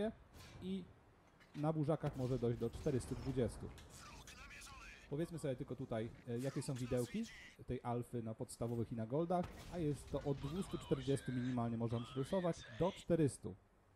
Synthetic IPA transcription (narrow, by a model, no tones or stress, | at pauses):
ɛi | nabuʐakaxmɔʐɛd̪ɔjʑd͡ʑd̪ɔt͡ʂt̪ɛɾɘst̪ud̪vud͡ʑɛst̪ṵ | pɔvʲjɛt̪smɘsɔbʲɛt̪ɘlkɔt̪ut̪ajjakʲɛsɔ̃w̃vʲid̪ɛwkʲi | t̪ɛjʔalfɘnapɔt̪st̪avɔvɘxinaɡɔld̪axajɛst̪ːɔʔɔd̪ːvust̪ut͡ʂt̪ɛɾd͡ʑɛst̪umʲiɲimalɲɛmɔʐɛvampʂɾusɔvad͡ʑd̪ɔt͡ʂt̪ɛɾɘst̪ṵ